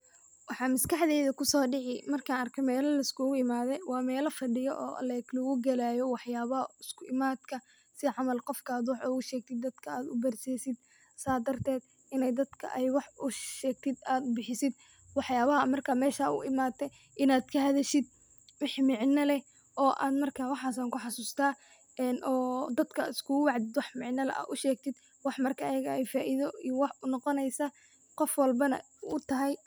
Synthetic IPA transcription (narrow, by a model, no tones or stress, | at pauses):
wɑħɑːmɐskʰɑħðɛːðɐkʰʊsɔːɖɪʕɪmɐrkʰanɐrkʰɛmɛːlɐlɐɪskʰʊɣʊɪmaːðɛjwɑːmɛːlɐfɐɖɪjɔʔɔ̰ːʔɐ̰lɛklɔɣʊɡɐlaːjɔwɑħjaːβɐɦɐɪskʰʊʔɪmaːd̪kʰɐ | sɪʕɑmɐlqɔfkʰaːd̪wɑħuʊʃɛːɡ̚t̪ʰɪd̪ːɐd̪̥kʰɐaːd̪ʊ̰bɐrsɛːsɪd̪̚ | saːd̪ɐrt̪ʰɛːd̪ | ɪnɛjd̪ɐd̪kʰɐ̰ʔɛjwɑħʊʃʃɛːɡ̚t̪ʰɪd̪aːd̪bɪħɪsɪd̪ | wɑħjaːβɐɦɐmɐrkʰaːmɛːʃaːʊ̰ʔɪmaːt̪ʰɛ | ʔɪnaːd̪kʰɐhɐðɛʃɪd̪̚ | wɑħmɪʕnɐlɛ | ʔɔːʔa̰ːd̪mɐrkʰaːwɑħaːsɐŋkʊħɑsuːst̪ʰaː | ɛnɔːd̪ɐd̪kʰɐɪskʰʊwɑʕd̪ɪd̪wɑħmɪʕnɐlɐ̰ʔa̰ʔ̪ʊʃɛːɡ̚t̪ʰɪd̪ | wɑħmɐrkʰɐːjɐɣɐɛjfaːʔiðɔijwɑħʊnɔqɔnɛjsɐ | qɔfwɑlbɐnɐ̰ | ʊt̪ʰɐɦɛj